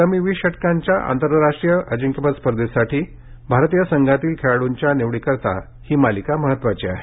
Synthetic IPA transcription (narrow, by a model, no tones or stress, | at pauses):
t̪əmiʋiɕəʈkaɲt͡ɕjaʔa̰nt̪əɾɾaʂʈɾijəʔəd͡ʑiŋkjəpət͡spəɾəd̪esaʈʰiː | bʱaɾt̪ijasəŋɡʱat̪iːlkʰeɭɽuɲt͡ɕjaneʋɽikəɾt̪a̰ | hiːmalikaməɦət̪ːʋat͡ɕiaɦe